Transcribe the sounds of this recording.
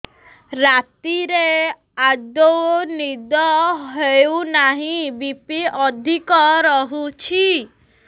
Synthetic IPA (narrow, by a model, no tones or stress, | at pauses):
ɾat̪iɾe | ad͡ʒowonid̪ɔɦeunaɦĩbipiɔd̪ʱikɔɾɔɦut͡ʃʰi